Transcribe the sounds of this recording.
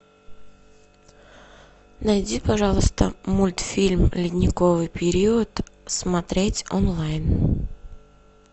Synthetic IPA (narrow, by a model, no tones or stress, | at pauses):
nɐjdʲipɐʐɑlˠəst̪ə̰mulʲt̪fʲilʲmlʲɪdʲnʲɪkovɨjpʲɪɾʲiiət̪smɐt̪ɾʲetʲonlˠajn